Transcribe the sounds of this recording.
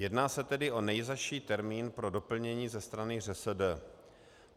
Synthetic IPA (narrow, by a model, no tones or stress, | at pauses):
jɛdnaːsɛt̪ɛdɪʔo̞nɛjzaʃiːt̪ɛɾmiːnpɾo̞do̞pl̩ɲɛɲiːzɛst̪ɾanɪr̝ɛsɛdɛ